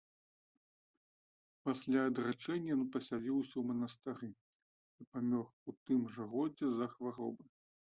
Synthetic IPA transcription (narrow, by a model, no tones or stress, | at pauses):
pasʲlʲaːd̪rat͡ʂɛnʲːɐjɔnpɐsʲalʲiwsʲɐwmɐnɐst̪ɛɾɨ | ipamʲɔxut̪ɨmʐɐɣɔd͡zʲɛzɐxvaɾɔbɐ